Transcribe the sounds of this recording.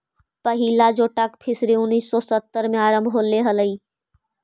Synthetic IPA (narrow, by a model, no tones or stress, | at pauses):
pəɦiːlad͡ʒoːʈəkpʰɪsɾeʊnːiːsːɔsət̪ːəɾmẽaːɾə̃mbʱɦoːleɦɐləiː